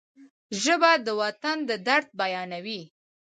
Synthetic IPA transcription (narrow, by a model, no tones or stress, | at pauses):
ʒəbad̪əwat̪and̪əd̪aɽt̪̚bajɑnawi